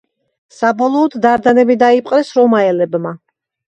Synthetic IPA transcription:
sabɔlˠɔːd̪d̪aɾd̪anɛbid̪aipʼqʼɾɛsɾɔmaɛlɛbma

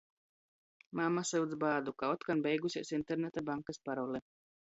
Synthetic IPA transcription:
mamasɨwd̪zbaːd̪ukaɔt̪kanbɛjɡusʲiɛsint̪eɾnet̪abaŋkaspaɾɔlˠɛ

